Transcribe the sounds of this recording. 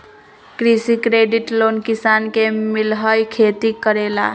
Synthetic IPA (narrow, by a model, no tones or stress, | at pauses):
kɾisikɾeɖiʈlonkisankemilɦəjkʰet̪ikəɾela̰